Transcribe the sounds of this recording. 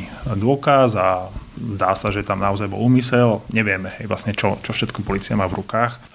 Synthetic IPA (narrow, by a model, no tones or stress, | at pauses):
d̪ʊɔkazazd̪aːsaʒɛt̪amnaɔzajbɔ̰luːmisɛlɲɛʋɪɛmɛɦɛjʋla̰sɲɛt͡ʃɔt͡ʃɔfʃɛt̪kɔpɔliːt͡siamaːvɾukaːx